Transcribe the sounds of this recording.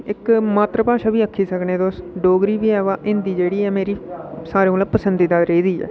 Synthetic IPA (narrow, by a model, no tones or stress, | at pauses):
ɪkmaːt̪ɾəpaːʃaːʋiːəkʰːiːsəknẽːd̪oːsɖoːɡɾiːʋiːɛːʋaːʔɪnd̪iːd͡ʒeːɽiːɛːmeːɾiːsaːɾẽːlaːpəsənd̪iːd̪aːɾeiːd̪iːɛ̰ː